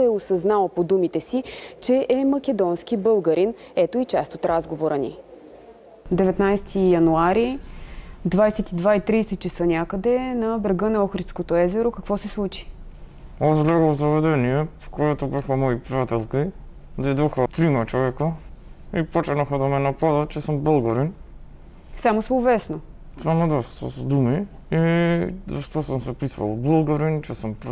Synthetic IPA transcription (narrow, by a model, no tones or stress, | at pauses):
ɛosɐznalˠəpod̪umit̪ɛsit͡ʃɛʔɛmɐkʲɛd̪ɔnsk̟ibɤlˠɡəɾin | ɛt̪oit͡ʃast̪ot̪ɾʔazɡovoɾənḭ | d̪ɛvɛt̪najst̪ʰijɐnuaɾi | d̪vajsɛt̪id̪vait̪ɾijsɛt̪̚t͡ʃɛsənʲakəd̪ɛnɐbɾɛɡɤnɐɔxɾit̪skot̪oɛzɛɾokɐkvɔsɛslˠut͡ʃi̥ | ɔzlɛɡozɐvɛd̪ɛniɛpo̥kojɛt̪obɛxamɔipɾiat̪ɛlˠki | d̪ɛd̪ɔxət̪ɾimat͡ʃɔvɛkoipɔt͡ʃɛnaxad̪amɛnapad̪at͡ʃɛsəmbəlˠɡaɾin | samosoːvɛsno | samod̪asosd̪umi | izaʃt̪ɔsəmsɛpisva̰lˠbəlˠɡaɾint͡ʃɛsəmpɾ